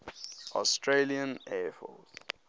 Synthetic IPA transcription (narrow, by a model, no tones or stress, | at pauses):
ɔstʰɹeliə̃nɛfɔ̰t